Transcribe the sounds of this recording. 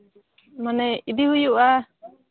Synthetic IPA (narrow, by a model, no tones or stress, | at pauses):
manɛid̪ihujuʔa